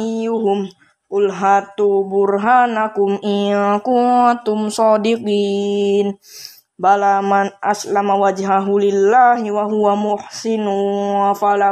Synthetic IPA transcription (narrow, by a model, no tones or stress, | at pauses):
ijuɦʊm | kʊlɦat̪ubʊrɦanakʊmiakut̪ʊmsɔdiqiːn | balamanʔa̰slamawad͡ʒɦaɦulilːaɦiwaɦuwamʊhsinufala